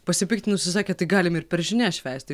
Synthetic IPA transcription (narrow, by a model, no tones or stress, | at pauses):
pɐsʲɪpʲɪkt̪ʲɪnʊsʲɪsɑːkʲeːt̪ɐɪɡɑːlʲɪmɪɾpʲɛɾʒʲɪnʲæːʃʲʋʲæːˑsʲt̪ʲɪ